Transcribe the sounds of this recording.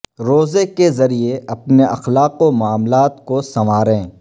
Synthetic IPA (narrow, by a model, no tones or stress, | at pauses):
ɾoːzekezɐɾieɐpneʔɐxlaːqomʊaːmlaːt̪kosɐmaːɾẽː